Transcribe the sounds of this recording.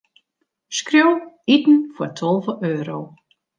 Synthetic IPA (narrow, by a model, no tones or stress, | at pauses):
skrjow | itn̩fɔtʰɔlˠvəʔøːɾow